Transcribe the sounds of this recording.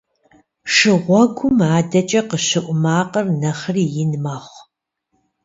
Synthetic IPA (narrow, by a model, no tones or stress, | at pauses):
ʂɨʁʷɔɡʷʊmaːdɐt͡ʃʼɐqəʃɨʔʷʊmaːqərnɐχriːjɪnmaːχʷ